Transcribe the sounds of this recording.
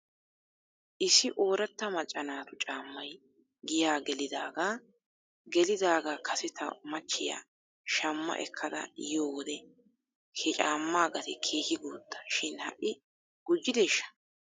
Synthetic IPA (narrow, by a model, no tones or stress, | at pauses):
ʔɪsɪʔo̞ːɾɐt̪ːɐmɐt͡ʃʼːɐnaːt̪ʊt͡ʃʼaːmːɐj | ɡɪjaːɡɛlɪd̪aːɡaː | ɡɛlɪd̪aːɡaːkʰɐsɪt̪ʰɐ̰mɐt͡ʃːɪja̰ː | ʃɐmːɐ̰ʔɛ̰kʰːɐd̪ɐ̰joːwɔd̪ɛ | hɛt͡ʃʼaːmːaːɡɐt̪ɪkʰeːhɪɡoːd̪̥ːɐ̥ʃɪnhɐ̰ʔːɪ | ɡ̥ʊd͡ʒːɪd̪eːʃːɐ̥